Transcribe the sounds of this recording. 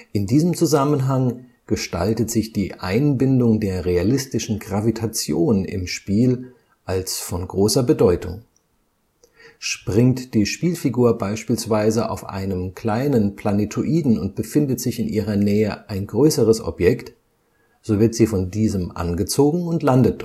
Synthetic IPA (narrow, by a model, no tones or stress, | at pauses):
ʔɪndiːzəmt͡suzamənɦaŋ | ɡ̥əʃta̰ltətz̥ɪçd̥iːʔa̰ɪnbɪndʊŋdeːɐʁealɪstɪʃn̩ɡʁavitʰat͡sjoːnɪ̰mʃpiːl | ʔalsfɔnɡʁoːsɐbədɔʏtʰʊ̰ŋ | ʃpʁ̥ɪŋtd̥iːʃpiːlfiɡuːɐbaɪʃpiːlsv̥aɪzəʔa̰ʊfʔa̰ɪnəmkʰl̥aɪnənpʰl̥anetʰoʔiːdn̩ʊnt̚b̥əfɪndətz̥ɪçɪnʔiːʁ̞ɐnɛːəʔaɪnɡʁøːsəʁəsɔ̰pjɛkt | z̥oːvɪɐtz̥iːfɔndiːzəmʔa̰nɡət͡soːɡŋ̩ʊntlandət